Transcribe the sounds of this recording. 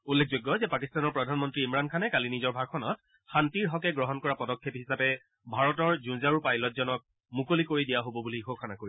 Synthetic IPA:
ulːek̚ʰzojɡːɔzɛpakistanɔɹpɹɔdʱanmɔntɹiːmɹankʰanɛkalinizɔɹbʱaɡ̚kʰɔnɔt̚ | xantiɹɦɔkɛɡɹɔɦɔnkɔɹapɔdɔkʰːepɦisapɛ | bʱaɹɔtɔɹzũnzaɹupajlɔt̚zɔnɔk̚ | mukolikoɹidijaɦobɔbulixokʰanakoɹi

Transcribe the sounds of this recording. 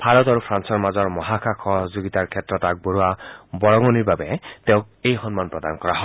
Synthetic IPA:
b̥ʱaɹɔtaɹupʰɹansɔɹmazɔɹmɔɦakʰaxʰɔɦɔzoɡit̪aɹkʰɛtːɹɔtak̚boɹuabɔɹɔŋɔniɹbabɛteʊ̃k̚ | ejxɔnmanpɹɔdankɔɹaɦɔ

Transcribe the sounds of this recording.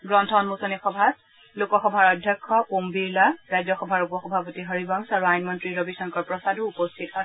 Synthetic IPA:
ɡɹɔntʰɔnmusɔnixɔbʱat | lokɔxɔbʱaɹɔdʱjɔkʰːɔpombiɹlaɹajzɔxɔbʱaɹupɔxɔbʱapɔtiɦɔɹibaŋsaɹuajnmɔntɹiɹobisɔŋkɔɹpɹɔsadʊupɔstʰita

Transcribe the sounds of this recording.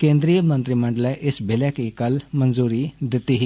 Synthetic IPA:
kẽːnd̪ɾijəmə̃nt̪ɾimə̃ɳɖəlɛʔɪsbʱɪlɛkikɐlmənzuːɾid̪ɪt̪iɦi

